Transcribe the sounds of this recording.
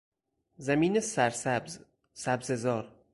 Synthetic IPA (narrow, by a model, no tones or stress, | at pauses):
zæmiːnesæɾsæbz | sæbzezɒːɾ